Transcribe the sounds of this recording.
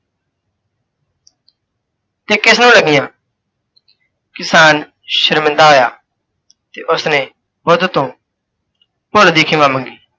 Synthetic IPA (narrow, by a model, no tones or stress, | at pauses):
t̪eːkɪsnũːləɡɪjãː | kɪsaːn | ʃəɾmɪ̃nd̪aːɦoːjaː | t̪eːʔʊsnẽː | bod̪t̪õː | poːld̪eːkʰɪ̃ːʋãːmə̃ŋɡiː